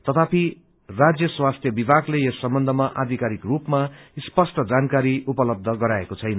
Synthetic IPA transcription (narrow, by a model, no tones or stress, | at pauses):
t̪ʌt̪ʰapi | rad͡zjʌswast̪ʰjʌbibʱaɡleesːʌmbʌnd̪ʱʌmaʔad̪ʱikaɾikrupmaspʌsʈʌd͡zankaɾiupʌlʌb̚d̪ʱʌɡʌɾaekot͡sʰʌjnʌ